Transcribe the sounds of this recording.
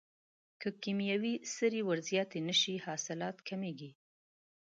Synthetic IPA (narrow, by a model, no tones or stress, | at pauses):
kəkimjawisəɾiwaɾzijɑt̪enəʃihɑsɪlɑt̪kʰameɡi